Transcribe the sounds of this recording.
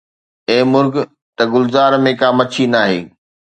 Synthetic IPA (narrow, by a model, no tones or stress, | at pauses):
eːmʊɾɡ | t̪ɐɡʊlzaːɾmẽkaːmɐt͡ɕʰinaːɦḛː